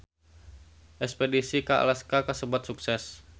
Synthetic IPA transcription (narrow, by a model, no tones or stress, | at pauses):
ʔɛkspedisikaa̰laskakəsəbwat̪̚suksɛs